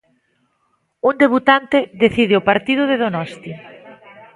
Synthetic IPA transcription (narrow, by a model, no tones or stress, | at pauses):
und̪eβut̪ant̪eðeθiðeopaɾt̪ið̞ʊðeðonɔst̪i